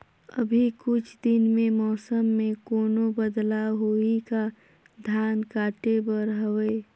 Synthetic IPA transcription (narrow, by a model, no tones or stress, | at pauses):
ə̰bʱikʊt͡ʃʰd̪ɪnmẽmɔːsəmːẽkoːnobəd̪laɦoika | d̪ʱjaːnkaːʈebəɾɦəʋeː